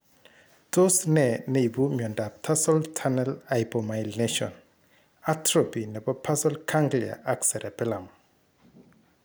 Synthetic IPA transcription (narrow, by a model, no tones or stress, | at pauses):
tosnɛneibumjɔndap̚tʰasɔltʰanɛlajpɔmajlneʃɔ̰n | atɾopinɛbɔpʰasɔlkʰaŋɡlia̰ʔaksɛɾɛpɪlam